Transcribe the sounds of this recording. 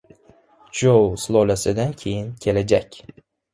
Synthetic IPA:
d͡ʒowslˠolasɪd̪ankʲʰe̞jɪnkʲʰe̞lad͡ʒakʲ

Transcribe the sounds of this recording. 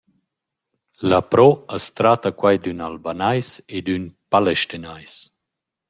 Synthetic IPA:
lapɾɔəst̪ɾat̪akwajd̪ynalbanajsed̪ynpalɛʃt̪inajs

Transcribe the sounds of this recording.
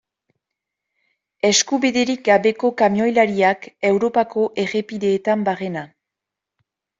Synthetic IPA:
e̞skuβiðe̞ɾik̚ɡaβe̞ko̞kamjo̞jlaɾiake̞wɾo̞pako̞ʔe̞re̞piðe̞ːt̪ambare̞na

